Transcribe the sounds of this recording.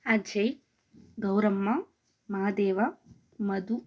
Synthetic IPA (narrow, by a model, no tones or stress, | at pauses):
ad͡ʒɐj | ɡɐwɾɐmːɐ | maːd̪eːʋɐ | mɐd̪u